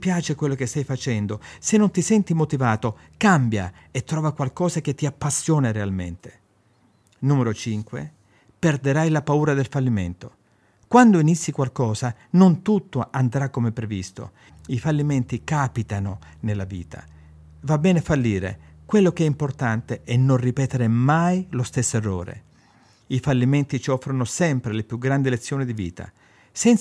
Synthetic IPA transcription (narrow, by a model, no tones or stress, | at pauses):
pjaːt͡ʃekwelːokest̪ajfat͡ʃɛnd̪osenːont̪isɛnt̪imot̪ivaːt̪o | kambja̰ | et̪ːɾɔːvakwalkɔːzak̟et̪ːiapːasːjɔːnaɾealmḛnt̪e̥ | numeɾot͡ʃiŋkwḛ | perd̪eɾajlapauːɾad̪elfalːimḛnt̪o | kwand̪oinisːikwalkɔːzanont̪ut̪ːoand̪ɾakːomepːɾevḭst̪o̰ | ifalːiment̪ikapit̪anonelːaviːt̪ʰa̰ | vabːɛːnefalːiːɾḛkwelːokeɛimport̪ant̪eʔɛnːonripɛːt̪eɾemajlost̪esːoerːo̰ːɾḛ | ifalːiment̪it͡ʃɔfːɾonosɛmpɾelepjuɡɾand̪ilet̪sːjoːnid̪ivḭːt̪a̰ | sɛn